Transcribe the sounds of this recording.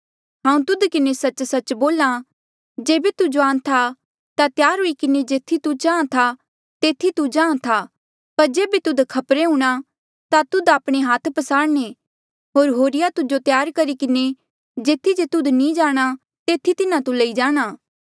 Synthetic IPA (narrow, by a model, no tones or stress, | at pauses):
ɦãːũt̪ʊd̪kɪnesɐt͡ʃsɐt͡ʃboːla | d͡ʒeːbet̪ʊd͡ʒoãːnt̪ʰa | t̪at̪jaːɾɦoːikɪned͡ʒeːt̪ʰit̪ut͡ʃãːãt̪ʰa | t̪eːt̪ʰːit̪ud͡ʒãːãt̪ʰa | pɐɾd͡ʒeːbet̪ʊd̪kʰɐpɾeɦũːɽ̃a | t̪at̪ʊd̪aːpɽ̃eɦaːt̪ʰpɐsaːɽñe | ɦoːɾɦoːɾɪjat̪ʊd͡ʒot̪jaːɾkɐɾikɪne | d͡ʒeːt̪ʰid͡ʒet̪ʊd̪nĩd͡ʒaːɽ̃a | t̪eːt̪ʰːit̪ɪnãt̪ulɐid͡ʒaːɽ̃aː